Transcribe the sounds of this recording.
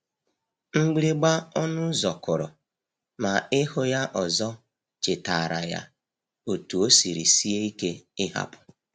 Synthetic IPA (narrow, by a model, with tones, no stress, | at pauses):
ŋ͡m̩˦ɡ͡bi˦ɾi˦ɡ͡ba˦ɔ˦nʊ˦zɔ˨kʊ˨ɾɔ̰˨ | ma˨ɪ˦hʊ˦ja˦ʔɔ˨zɔ˦ | t͡ʃɪ˨ta˨ɾa̰˨ja̰˦ | o˨tu˨o˦si˨ɾi˨si˦e˦i˦ke˦ɪ˦ɦa̰˦pʊ̥˨